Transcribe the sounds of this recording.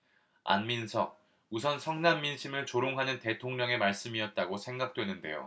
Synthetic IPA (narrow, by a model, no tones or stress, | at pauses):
a̰nminsʰʌk̚ | usʰʌnsʰʌŋnamːinɕʰimɯɭt͡ɕoɾoŋɦanɯnte̞tʰoŋɲʌŋe̞maɭs͈ɯmiʌt̚t͈aɡosʰe̞ŋɡak̚t͈we̞nɯnde̞̰jo̰